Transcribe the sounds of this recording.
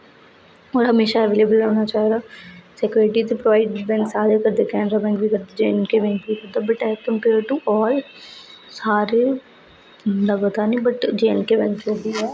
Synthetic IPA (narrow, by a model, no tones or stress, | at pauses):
ɔːɾɦəmeːʃaːɛʋeːleːbəloːnaːt͡ʃaːɦd̪aːsɛkːɾeʈiːt̪epɾoʋaːɪɖbɛ̃ːŋksaːɾekəɾd̪eːkɛːnɾaːbɛ̃ŋkʋiːkəɾd̪eːd͡ʒeːnkeːbɛ̃ːŋkʋiːkəɾd̪aːbəʈɛːkəmpeːɾʈuːʔɔːl | saːɾeː | ləɡt̪aːnĩːbəʈd͡ʒeːɪnkeːbɛ̃ŋkd͡ʒoːd̪iːɛː